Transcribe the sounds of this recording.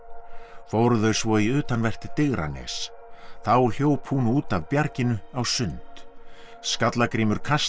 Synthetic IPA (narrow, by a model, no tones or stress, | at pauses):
fowɾðœɥsvɔiʏːt̪anvɛr̥t̪ɪt̪ɪɣɾa̰nɛ̰ːs | θawɛɾl̥joːwphunuːt̪avpjaɾcɪnʏawsʏnt̪ | skat̪lakɾiːmʏɾ̥kʰas